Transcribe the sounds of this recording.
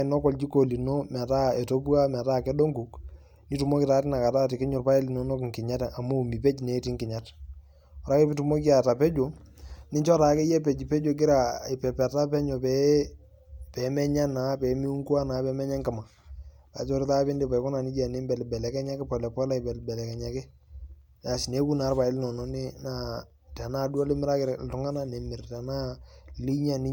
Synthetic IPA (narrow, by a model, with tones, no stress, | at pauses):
ɪ˨nɔ˦kɔ˨lt͡ʃi˦ko˨li˨no˦ma˨ta˦ɛ˨to˦pu˦a˦mɛ˨taː˦˨kɛ˦do˦ŋɡu˨k | nɪ˦tu˨mɔ˦kɪ˦ta˦tɪ˦na˨ka˨ta˦tɪ˨kɪ˦ɲʊ˨rpa˦ɛ˦li˨no˦nɔ˦kŋkɪ˨ɲa˦tɛ˨ʔa˨mo˦˨mi˨pɛ˦d͡ʒnɛ˦tɪ˦ŋkɪ˨ɲa˦t | ɔ˨ɾa˦kɛ˦pɪ˦tu˨mo˦ki˦a˨ta˨pɛ˦d͡ʒo˨ | nɪ˦ɲt͡ʃɔ˦ɾa˨˦kɛ˦jɛ˦pɛ˨d͡ʒpɛ˦d͡ʒo˨k̬ɪ˦ɾa˨ɪ˨pɛ˨pɛ˨ta˦pɛ˦ɲɔ˨pɛ˨˦ | pɛ˨˦mɛ˦ɲa˦na˨˦pɛ˨˦mi˦u˦ŋku˦a˦na˨˦pɛ˨˦mɛ˦ɲa˦ŋkɪ˨ma˨ | ta̰˨˦t͡ʃɔ˦ɾɪ˦taː˦pɪ˦ndɪ˨pa˨ɪ˨kɔ˦na˨nɪ˦d͡ʒa˨nɪ˨˦bɛ˨lbɛ˨lɛ˨kɛ˦ɲa˦kɪ˦pɔ˨lɛ˨pɔ˦la˦ɪ˨bɛ˨lbɛ˨lɛ˨kɛ˨ɲa˨kɛ˦ | na˨sɪ˨ne˦ku˦na˨˦ɾpa˨ɪ˦lnɔ˨nɔ˦nɪ˦na˨ | tɛ˨na˦˨du˦ɔ˦lɪ˦mɪ˦ɾa˦kɪ˨ɾltʊ˨ŋa˦na˦ne˨mɪ˨ɾtɛ˨na˦li˦ɲa˦nɪ˦